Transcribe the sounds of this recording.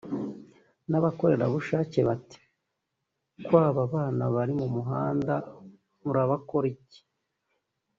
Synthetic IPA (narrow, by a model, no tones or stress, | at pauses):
naβako̞ɾe̞ɾa̰βuʃaːce̞βati̥ | kwaːβaβaːnaβaɾimumuɦaːnda | muɾaβako̞ɾice̥